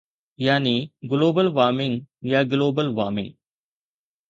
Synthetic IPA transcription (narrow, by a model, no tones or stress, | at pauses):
jaːniːɡɪloːbəlʋaːmɪŋjaːɡloːbəlʋaːmɪ̰̃ŋ